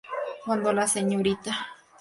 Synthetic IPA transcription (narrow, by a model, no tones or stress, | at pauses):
wãnd̪olaseɲõɾit̪a